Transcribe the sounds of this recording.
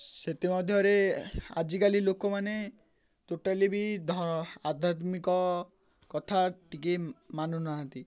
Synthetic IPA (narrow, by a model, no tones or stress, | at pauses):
set̪imɔd̪ʱjɔɾea̰d͡ʒikalilokomane | t̪oʈalibid̪ʱɔad̪ʱat̪mikɔ | kɔt̪ʰaʈikemanunaɦnt̪i